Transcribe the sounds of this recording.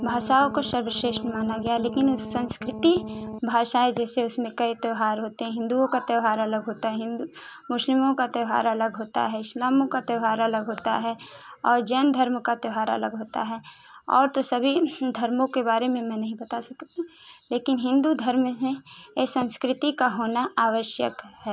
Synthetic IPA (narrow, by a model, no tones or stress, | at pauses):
bʱaːʃaːõkoʃəbəʃeːʃnmaːnaɡɐjaleːkɪnʊsːə̃nskɾɪt̪ibʱaːʃaɦɛd͡ʒɛːseʊsmẽkɐit̪əwɦaːɾɦoːt̪eɦɛ̃ɦɪ̃nd̪uõkat̪eɦaːɾɐləɡɦoːt̪aɦɛɦɪ̃nd̪u | mʊʃlɪmõkat̪eʋɦa̰ːɾələɡɦoːt̪a̰ɦɛɪslaːmõkat̪eʊɦaːɾɐləɡɦoːt̪a̰ɦɛ | ɔːɾd͡ʒɛːnd̪ʱəɾmkat̪əʊɦaːɾə̰ləɡɦoːt̪a̰ɦɛ | ɔ̰ːɾt̪osɐbʱid̪ʱɐɾmõkebaːɾemẽmɛ̃ːnɐɦĩbɐt̪asɐkt̪e | leːkɪnɦɪ̃nd̪ud̪ʱɐɾmmẽsə̃nskɾɪt̪ikaɦoːnaaːʋəʃjə̰khɛː